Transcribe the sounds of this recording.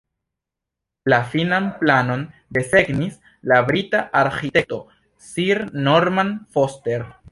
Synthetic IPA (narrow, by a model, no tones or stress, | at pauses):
lafinanplano̞ndese̞ɡnis | labɾitaʔaɾxitek̚to̞ | siɾnoɾmanfoste̞ɾ